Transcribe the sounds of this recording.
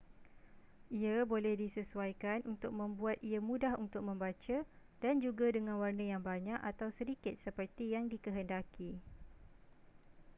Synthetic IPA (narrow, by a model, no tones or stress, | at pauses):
ʔiabolɛhdisəsuajkanunt̪ʊk̚mə̃mbuat̪̚iamũdahunt̪ʊk̚mə̃mbat͡ʃa | dand͡ʒuɡadəŋãnwarnəjaŋbaɲãkat̪awsəɾikɪt̪̚səpərt̪ijaŋdikəɦəndaki